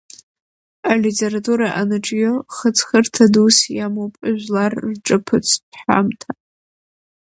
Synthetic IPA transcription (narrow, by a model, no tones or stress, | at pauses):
alitʰe̞ɾatʰʼuɾaʔanɨʈ͡ʂʼjoχət͡sʰχərtʰadusjamowpʼaʒʷᶣlarːʈ͡ʂʼɨpʰɨt͡sʰħa̰mtʰa